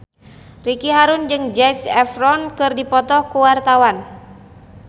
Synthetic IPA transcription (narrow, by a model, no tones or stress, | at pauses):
rikiɦaɾund͡ʒɨŋd͡ʒɛsɛfrɔnkɨrdipɔt̪ɔhkuwart̪awan